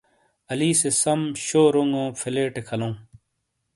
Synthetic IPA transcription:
ɐliːsesɐmɕoːɾoŋɡõːfʰeleːʈekʰɐlõː

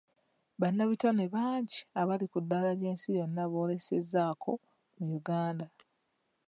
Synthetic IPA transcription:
βanːaβitaneβaːɲɟiaβalikudːaːlaɾe̞ːnsijo̞nːaβo̞ːle̞sezːaːkʰo̞ | mujuɡaːnda

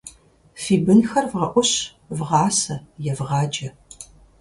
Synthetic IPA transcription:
fiːbɨnxɐrvʁɐʔʷɔɕ | vʁɑːsɐjɛvʁɑːd͡ʒɐ

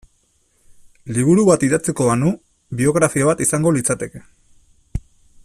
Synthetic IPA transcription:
liβ̞uɾuβat̪iðat͡seko̞βanu | βio̞ɣɾafioβat̪isaŋɡo̞lit͡sat̪e̞ke̥

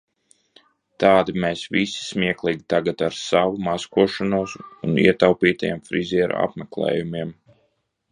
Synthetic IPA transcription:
t̪ɑːd̪imeːsvisi̥smiɛklˠiɡit̪aɡat̪aɾsaʋumaskuɔʃanuɔsunḭɛt̪awpiːt̪ajḛmfɾizʲiɛɾ̰a̰pmɛklˠɛ̰ːjumiɛm

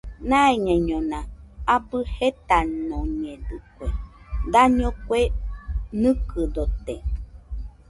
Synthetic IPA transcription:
nãeɲẽɲõnãabɨhet̪anõɲẽdɨkʷed̪aɲõkʷenɨ̃kɨd̪ot̪e

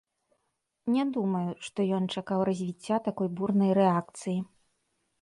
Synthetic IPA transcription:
nʲɛd̪umɐjuʂt̪ɔjɔnt͡ʂakawɾɐzʲvʲit͡sʲːat̪akɔjburnɐjɾɛak̚t̪sɨji

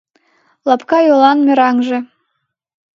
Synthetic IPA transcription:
lɑpkɑjolɑnmʲĕɾɑŋʒĕ

